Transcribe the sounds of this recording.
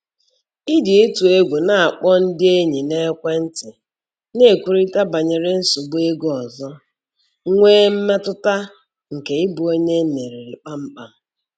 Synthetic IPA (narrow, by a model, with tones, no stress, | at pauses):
ɪ˦dɪ˨e˦tu˨e˦ɡʷu˨na˨a˨k͡pɔ˦n̩˦dɪ˦e˦ɲi˨ne˦kʷe˦n̩˦tɪ˨ | ne˦˨kʷu˨ɾi˦ta˦ba˨ɲe˨ɾɪ˦n̩˦su˨ɡ͡bʊ˦e˦ɡɔ˨zɔ˦ | ŋʷeː˦m̩˦me˦tʊ˦ta˦ | ŋ̩˨ke˨ɪ˦bu˨o˦ɲe˦ne˨ɾi˨ɾɪ˨k͡pa˦m̩˦k͡pa˦